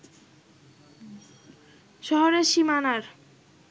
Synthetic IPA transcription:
ʃɔɦoɾeɾʃimanaɾ

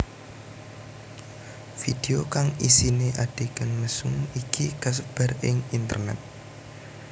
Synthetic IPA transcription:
fid̥eokaŋisineʔad̥ekənməsʊŋikʰikəs̬əb̥arɪŋint̪ə̰rnɛ̰t̪̚

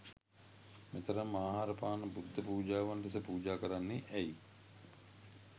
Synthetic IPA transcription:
met̪əɾəmːaːɦaɾəpaːnəbud̪ʱːəpuːd͡ʒaːʋanʈesəpuːd͡ʒaːkəɾanːeʔæi

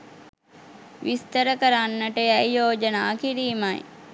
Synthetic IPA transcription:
ʋist̪əɾəkəɾanːəʈəæjjoːd͡ʒənaːkiɾiːmaj

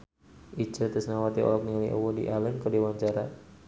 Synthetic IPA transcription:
it͡ʃət̪əsnawat̪iɔ̰lɔk̚nialiʔo̰wɔdḭʔalənkədewaɲt͡ʃaɾa

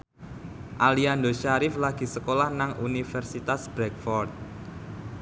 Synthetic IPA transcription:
ʔaliandoʃaɾɪflaɡ̥i̤səkolahnaŋunifɛrsit̪asb̥ɾɛk̚fɔrt̪̚

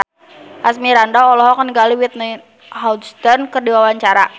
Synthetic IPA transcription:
ʔasmiɾandaɔlɔɦɔkəniɡaliwit̪̚na | hawdst̪ərnkərdiwawaɲt͡ʃaɾa

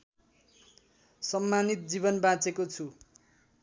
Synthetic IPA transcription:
sʌmːanit̪̚d͡zibʌnbãt͡sekot͡sʰu

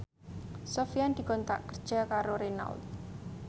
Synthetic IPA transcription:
sofijand̪̥i̤kɔnt̪a̰ʔkərd̥ʒ̥a̤kaɾoɾena̰lt̪̚

